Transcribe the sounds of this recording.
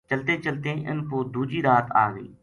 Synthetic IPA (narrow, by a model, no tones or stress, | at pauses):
t͡ʃəlt̪eːt͡ʃəlt̪eːʔɪ̰nkoːd̪uːd͡ʒiːɾaːt̪a̰ːɡəḭː